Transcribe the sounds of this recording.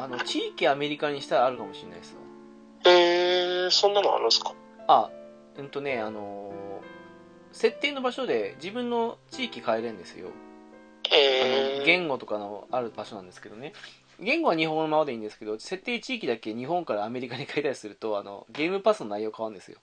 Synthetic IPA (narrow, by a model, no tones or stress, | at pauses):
ano̞t͡ɕiːkʲiame̞ɾʲikaɲ̟iɕi̥t̪aɾaːɾɯ̟kamo̞ɕinːa̰isɨβa̰ | eːsõ̞nːanoa̰ɾɯsɨ̥kḁ | a | ɯ̟̃ːt̪o̞ne̞ano̞ | se̞t̪ːeːno̞baɕo̞d̪e̞d͡ʑibɯ̟̃nːo̞t͡ɕiːkʲikaeɾẽ̞nd̪e̞sɨ̰jo̞̰ | eano̞ɡẽ̞ŋɡo̞t̪o̞kano̞aɾɯ̟baɕo̞nãnd̪esɨ̥ked̪o̞ne | ɡẽ̞ŋɡo̞β̞aɲ̟iɦõŋnomamad̪e̞ĩːnd̪esɨ̥ke̞d̪o̞se̞t̪ːe̞ːt͡ɕiːkʲid̪ake̞ɲ̟iɦõ̞ŋkaɾaːme̞ɾʲikaɲ̟ikait̪aɕi̥sɨɾɯ̟t̪o̞ano̞̰ɡe̞ːmɯ̟pasɨno̞naijo̞ːkaβaɯ̃nd̪e̞sɨjo̞̰